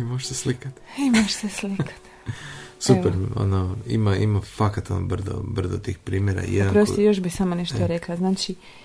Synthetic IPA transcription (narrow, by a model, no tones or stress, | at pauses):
imoʃseslikat̪imoʃseslikʰḁt̪ | supeɾo̰noḭmaʔimafakat̪o̰no̰brzo̰brzot̪iːxpɾiːmjeɾa̰jɛ̰dpaɾost̪ojoʃbisaːmaneʃt̪oɾeklˠaznaːt͡ʃi